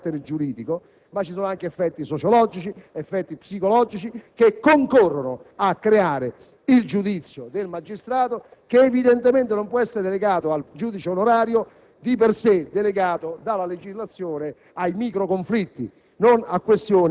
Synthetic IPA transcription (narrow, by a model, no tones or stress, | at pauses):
t̪ːeɾed͡ʒuɾiːd̪iko | mat͡ʃːisɔːnoaŋk̟eɛfːɛt̪ːisot͡ʃolɔd͡ʒit͡ʃiefːɛt̪ːipsikolɔːd͡ʒit͡ʃikekːoŋkorːonʊakːɾeaːɾe | ild͡ʒud̪it̪sːjod̪elmad͡ʒist̪ɾaːt̪o | k̟eːvid̪ɛnt̪ement̪enompwɔɛsːeɾed̪eleɡaːt̪oald͡ʒuːd̪it͡ʃeonoɾaːɾjo | d̪ipersed̪ːeleɡaːt̪od̪alːaled͡ʒizlat̪sːjɔːne | ajmiːkɾokoɱflit̪ːi | nonakːwest̪joːn